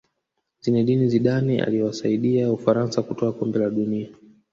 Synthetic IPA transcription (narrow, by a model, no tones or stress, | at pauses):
zinɛɗiniziɗania̰liɛwasaiɗiaufaɾansakutɔakɔmbɛlaɗunia